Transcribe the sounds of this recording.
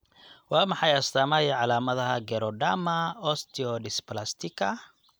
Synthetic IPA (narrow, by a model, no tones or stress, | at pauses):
waːmɐħɑjɐst̪aːmajɛʕalaːmɐðɐɦɐɡɛɾɔɖamɐɔst̪iɔɖɪsplast̪ikʰɐ